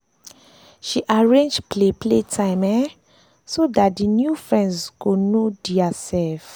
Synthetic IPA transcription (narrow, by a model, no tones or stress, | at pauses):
ʃiʔaɹẽnd͡ʒplepʰletʰãɪmɛ | sodat̚dinjufɹɛ̃ndsɡonodiasɛlf